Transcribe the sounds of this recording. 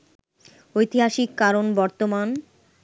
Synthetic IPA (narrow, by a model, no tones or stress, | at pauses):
ojt̪iɦaʃikːaɾonbɔɾt̪oman